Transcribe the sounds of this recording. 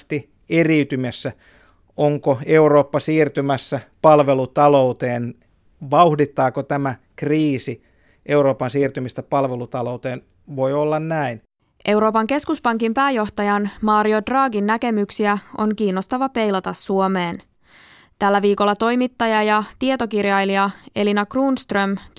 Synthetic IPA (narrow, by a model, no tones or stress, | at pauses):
t̪i | eriyt̪ymesːæ | oŋkoe̞uɾoːpːɑsiːrt̪ymæsːæpɑlʋelut̪ɑlout̪eːn | ʋɑuhdit̪ːɑːkot̪æmækriːsi | ʔe̞uɾoːpɑnsiːrt̪ymist̪æpɑlʋelut̪ɑlout̪eːn | ʋo̞iolːɑnnæin | ʔe̞wɾo̞ːpɑŋke̞skuspɑŋkimpæːjo̞ht̪ɑjɑnmɑːɾio̞drɑːɡinːæke̞myksiæo̞̰ŋkiːnːo̞st̪ɑʋɑpe̞jlɑt̪ɑsːuomeːn | t̪ælːæʋiːko̞lːɑt̪o̞jmit̪ːɑjɑjɑt̪iet̪o̞kirjɑjliɑe̞linɑkruːnst̪røm